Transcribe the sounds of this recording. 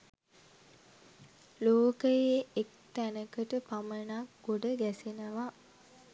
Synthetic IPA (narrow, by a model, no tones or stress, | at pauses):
loːkəjeek̚t̪ænəkəʈəpamənak̚ɡoɖəɡæsenəʋa